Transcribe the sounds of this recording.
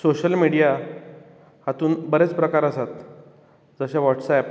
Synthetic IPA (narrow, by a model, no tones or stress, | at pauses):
soɕəlmiɽija | hat̪uːnbəɾet͡spɾəkaɾəsat̪ | d͡zəɕaʋɔʈsɛp